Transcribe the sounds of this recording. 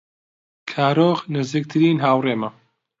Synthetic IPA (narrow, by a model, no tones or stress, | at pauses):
kʰaːɾoːɣnɨziːk̚t̪ʰɨɾiːnɦaːwreːmɐ